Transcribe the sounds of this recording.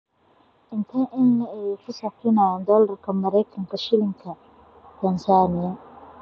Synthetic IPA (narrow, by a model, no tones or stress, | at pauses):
ʔɪnt̪ʰɐʔɪnːɐɛjkʰʊsɐfɪnand̪ɔːlɐrkʰɐmɐɾɛjkʰɐŋkʰɐʃɪlɪŋkʰɐ | t̪ʰɐnsaːnɪjɐ